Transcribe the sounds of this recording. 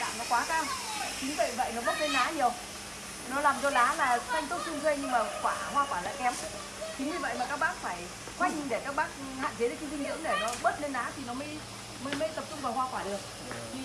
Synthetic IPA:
ɗa̰ː˧˨ŋnɔ˨˦kwaː˨˦kaː˧ŋt͡ɕï˨˦ŋ̟və̰˧˨jvə̰˧˨jnɔ˨˦ɓə˦˥t̚le˧nːɗaː˨˦ɲi˨˩əw | nɔ˨˦laː˨˩mzɔ˧ɗaː˨˦laː˨˩xʰa˧jŋ̟t̪ə˦˥t̚si˧ənzwe˧ɲɨ˧ŋmaː˨˩kwaː˧˩ɦwaː˧kwaː˧˩la̰ː˧˨jkɛ˨˦m | t͡ɕi˨˦ŋɲɨ˧˩və̰˧˨jmaː˨˩kaː˦˥k̚ɓaː˦˥k̚faː˧˩j | kwa˦˥jk̚ɲi˧ŋɗe˧˩kaː˦˥k̚ɓaː˦˥k̚ | ha̰ː˧˨nt͡ɕe˨˦ɗe˨˦ki˨˦zi˧ŋzḭ˧˥əŋɗe˧˩nɔ˨˦ɓə˦˥t̚le˧nːaː˨˦t̪ʰi˨˩nɔ˨˦mə˨˦j | mə˨˧˦jmə˨˧˦jt̪ə˨˩p̚t͡ɕʊ˧ŋ͡mvaː˨˩whwaː˧kwaː˧˩ɗɨ˨˩ək̚

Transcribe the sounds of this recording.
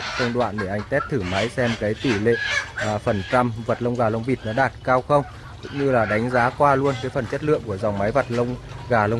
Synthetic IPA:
tə˧wŋ͡mɗwa̰ː˧˨nɗe˧˩ʔa˧jŋ̟t̪ɛ˦˥p̚t̪ʰɨ˧˩ma˨˦jsɛ˧mkaː˨˦jt̪i˧˩lḛ˧˨fə˨˩nt͡ɕa˧mvə˨˩t̚lə˧wŋ͡mɣaː˨˩lə˧wŋ͡mvi˨˩t̚nɔ˨˦ɗaː˨˩t̚kaː˧wxə˧wŋ͡m | kʊ̰˧˥ŋ͡mɲɨ˧laː˨˩ɗa˨˦jŋ̟zaː˨˦kwaː˧lu˧ənkaː˨˦jfə˨˩nt͡ɕə˦˥t̚lɨ̰˧˨əŋku˧˩əza˨˩wŋ͡mma˨˦jvə˨˩t̚lə˧wŋ͡mɣaː˨˩lə˧wŋ͡m

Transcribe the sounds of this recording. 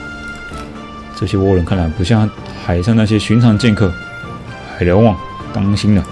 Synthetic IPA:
ʈ͡ʂɤ˥˩ɕjɛ˥wɔ˥˧ɻə˧˩˦nkʰa˥˩nla˧˥ɪpu˧˥ɕ̬jɑ˥˩ŋ | xa˨˩ɪʂɑ˥˧ŋna˥˩ɕjɛ˥ɕy˧˥nʈ͡ʂʰɑ˧˥ŋ˧t͡ɕjɛ˥˧nkʰɤ˥˩ | xa˨˩ɪljo˧˥ʊwɑ˥˩ŋ | t̪a˥ŋɕi˥nd̪ə˨

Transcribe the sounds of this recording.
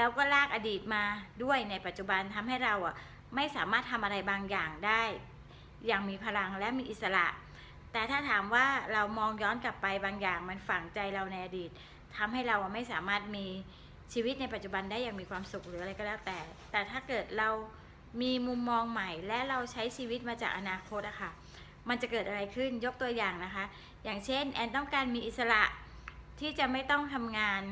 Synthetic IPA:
lɛː˦˥wkɔː˥˩laː˥˩k̚ʔa˧diː˨˩t̪̚maː˧du˥˩əjna˧˥jpa˨˩t̪̚t͡ɕu˨˩ba˧nt̪ʰa˧mɦa˥˩jɾa˧wʔa˨˩ | ma˥˩jsaː˩˦maː˥˩t̪ʰːa˧mʔa˧ɾa˧jbaː˧ŋjaː˨˩ŋdaː˥˩jː | aː˨˩ŋmiː˧pʰa˧la˧ŋlɛ˦˥miː˧ʔi˨˩t̪̚sa˧la̰˨˩ʔ | t̪ɛː˨˩t̪ʰaː˥˩t̪ʰaː˩˦mwaː˥˩ɾa˧wmɔː˧ŋjɔː˦˥nka˨˩pːa˧jbaː˧ŋjaː˨˩ŋma˧nfa˨˩ŋt͡ɕa˧jɾa˧wna˧jʔa˧diː˨˩t̪̚ʰː | a˧mɦa˥˩jɾa˧wʔa˨˩ma˥˩jsaː˩˦maː˥˩t̪̚miː˧ | t͡ɕʰiː˧wi˦˥t̪̚na˧jpa˨t̪̚t͡ɕu˨˩ba˧ndaː˥˩jaː˨˩ŋmiː˧kʰwaː˧msu˨˩k̚ɾɯː˩˦a˧ɾa˧jkɔ˥lɛː˦˥˩wt̪ɛː˨˩t̪ɛː˨˩t̪ʰaː˥˩kɤː˨˩t̪̚ɾa˧w | miː˧mu˧mːɔː˧ŋma˨˩jlɛ˦˥ɾa˧wt͡ɕʰa˦˥jt͡ɕʰiː˧wi˦˥t̪̚maː˧t͡ɕa̰ː˨˩k̚ʔa˧naː˧kʰo˦˥t̪̚ʔa˨˩kʰa˥˩ | ma˧nt͡ɕa˨˩kɤː˨˩t̪ʔa˧ɾa˧jkʰɯ˥˩njo˦˥k̚t̪u˧ɐjaː˨˩ŋna˦˥kʰa˦˥ | jaː˨˩ŋt͡ɕʰe˥˩nʔɛː˧nt̪̬ɔ˥˩ŋkaː˧nmiː˧ʔi˨˩t̪̚sa˧la̰˨˩ʔ | t̪ʰiː˥˩t͡ɕa˨˩ma˥˩jt̪ɔ˥˩ŋt̪ʰa˧mŋaː˧n

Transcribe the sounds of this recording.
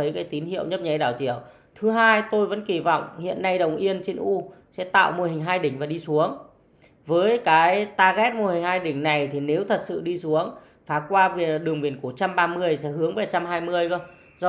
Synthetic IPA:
ə˨˦jkaː˨˦jt̪i˨˦nhḭ˧˨əwɲə˦˥p̚ɲa˨˦jɗaː˧˩wt͡ɕi˧˩˨əw | t̪ʰɨ˨˦ɦaː˧jt̪o˧jvə̰˧˥nki˧˩vɔ̰˧˨wŋ͡mhḭ˧˨ənːa˧jɗə˨˩wŋ͡mʔi˧ənt͡ɕe˧nʔu˧sɛ̰˧˥t̪a̰ː˧˨wmo˧hi˨˩ŋ̟ɦaː˧jɗï˧˩ŋ̟vaː˨˩ɗi˧su˨˦əŋ | vəː˨˦jkaː˨˦jt̪aː˧ɣɛ˦˥t̚mo˧hï˨˩ŋ̟haː˧jɗï˧˩ŋ̟na˨˩jt̪ʰi˨˩ne˨˦wt̪ʰə˨˩t̚sɨ̰˧˨ɗi˧su˨˦əŋ | faː˨˦kwaː˧vi˨˩ɗɨ˨˩əŋɓi˨˩ənku˧˩ət͡ɕa˧mɓaː˧mɨ˧əjsɛ̰˧˥hɨ˨˦əŋvaː˨˩t͡ɕa˧mɦaː˧jmɨ˧əjə˧ | zɔ˧

